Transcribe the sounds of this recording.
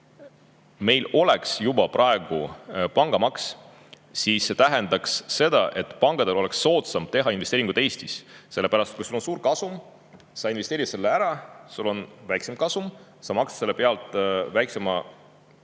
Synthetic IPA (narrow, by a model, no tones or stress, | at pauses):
me̞jlo̞leksjubɑprʔɑeɡ̥upɑŋɡ̥ɑmɑks | siːsːe̞t̪æɦend̪̥ɑksːe̞d̪̥ɑʔe̞t̪ːˑpɑŋɡ̥ɑd̪elo̞le̞ksːo̞ːt̪sɑmb̥̚t̪e̞ɦɑinvest̪eɾiŋɡ̥ud̪ˑe̞ːst̪isse̞lepæɾɑst̪t̪kujsulːo̞nsuːɾkɑsum | sɑinve̞st̪eːɾit̪se̞lːeæɾɑsulːo̞nvæjksemkɑsumsɑmɑksse̞lːe̞pe̞ɑlt̪ˑvæjksemɑ